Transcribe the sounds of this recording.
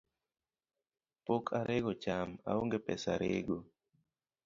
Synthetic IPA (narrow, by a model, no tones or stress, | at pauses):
pokʰaɾʔeɡot͡ʃama̰oŋɡepɛ̰sa̰ɾḛɡo